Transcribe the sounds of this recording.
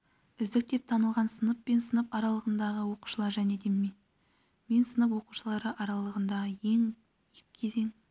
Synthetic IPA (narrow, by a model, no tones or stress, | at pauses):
ʏzd̪ɪk̚t̪e̞p̚t̪ʰɑnəlˠʁɑnsənəpːe̞nsənəpɑɾɑlˠəʁənd̪ɑʁəwo̞qu̥ʃəlˠɑɾʒæne̞d̪e̞mme | me̞nsənəp̬wo̞quʃəlˠɑɾəʔɑɾɑlˠəʁənd̪ɑʁəje̞ŋ | jɪkkʲʰːe̞ze̞ŋ